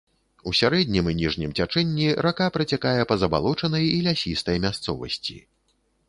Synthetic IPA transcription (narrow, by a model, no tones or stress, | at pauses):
usʲaɾɛd̪ʲnʲimɨnʲiʐnʲimt͡sʲat͡ʂɛnʲːiɾakapɾɐt͡sʲakajɛpɐzɐba̰lˠɔt͡ʂɐnɐjilʲasʲist̪ɐjmʲast̪sɔvɐ̰sʲt͡sʲḭ